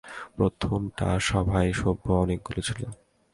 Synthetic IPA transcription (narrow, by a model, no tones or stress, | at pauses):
pɾot̪ʰomʈa̰ʃɔbʱaeʃobʱːoɔnek̚ɡolet͡ɕʰilo